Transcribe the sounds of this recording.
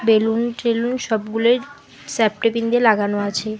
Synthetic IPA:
belunʈɾelunʃɔbɡuleɾ | sɛp̚ʈepind̪eɾlaɡanoat͡ɕʰe

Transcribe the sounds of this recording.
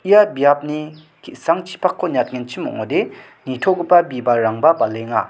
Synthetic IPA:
ʔijabjap̚ni | kʰiʔsaŋt͡ɕʰi̥pʰakʰːoɲat̪̚ŋent͡ɕʰimo̰ŋod̪e | nit̪ʰoʔɡupːabipaɾaŋbapaleŋa̰

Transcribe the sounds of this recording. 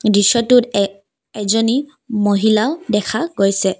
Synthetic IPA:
disɔtʊt | ɛzɔni | moɦilaʊdɛkʰaɡojsɛ

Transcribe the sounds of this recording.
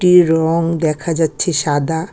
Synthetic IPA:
ʈiɾɔŋd̪ɛkʰad͡ʑatːɕʰeʃad̪a

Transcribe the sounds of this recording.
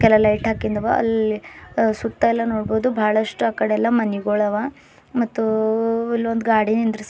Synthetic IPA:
kɛlɐɐlɐjʈɦaːkind̪ɐʋa̰ɐ̰lisut̪ːɐɛlːɐnoːɽboːd̪ubʱaːɭɐʂʈuaːkɐɽeɛlːɐmɐniɡoːɭɐʋa | mɐt̪ːuilːʋond̪ɡaːɽinind̪ɾis

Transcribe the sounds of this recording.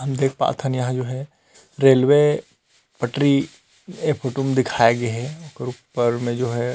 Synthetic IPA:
ɦɐmd̪eːk̚ʰpa̰ːt̪ʰɐnjɐɦãd͡ʒoːɦɛ | ɾeːlʋe | pɐʈɾi | efʰoːʈomẽd̪ɪkʰaːeɡɐɦɛʊkeɾupːəɾmẽd͡ʒoːɦɛ

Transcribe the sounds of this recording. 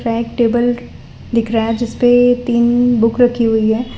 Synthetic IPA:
ɾaeːk̚ʈeːbəl | d̪ɪkʰɾaɛd͡ʒɪspet̪iːnbʊkɾɐkʰːiɦʊiɦɛː

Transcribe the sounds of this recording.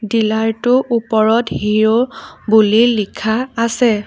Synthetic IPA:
dilaɹtʊʔupɔɹɔthiɹobulilikʰaːsɛ

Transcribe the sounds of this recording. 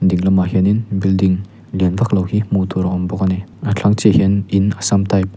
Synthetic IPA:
diŋlɐmaɦeninbildiŋ | lenbaklawhimutʰɔɾɔŋɔmbɔkaneat͡ɬʰaŋt͡ʃeheninasamtʰajp̚

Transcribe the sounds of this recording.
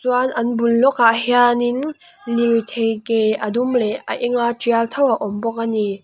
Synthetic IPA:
suanʔɐnbulːɔkaʔhianin | liwt̪ʰejkejʔadumlɛa̰ʔiŋatialt̪ʰawaʔɔmbɔk̚ani

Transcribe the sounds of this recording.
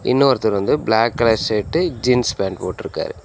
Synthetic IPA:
ɪ̰nːɐɐɾɐt̪ːɐlʋɐnd̪ɯblaːkːlɐːseːʈːɯd͡ʒinspaːɳɖpoːʈːɪɾɯkːa̰ːɾɯ

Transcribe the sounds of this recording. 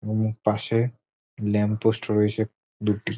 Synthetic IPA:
omuk̚paʃe | lɛmposʈɾojet͡ɕʰe | d̪uʈi

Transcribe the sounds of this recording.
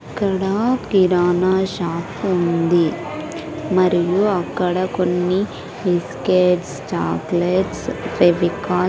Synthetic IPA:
ɐkːɐɽakiɾaːnaːʃaːkund̪i | mɐɾijuɐkːɐɽɐkonːi | iskeːʈst͡ʃa̰ːkleʈsʋeʋikaː

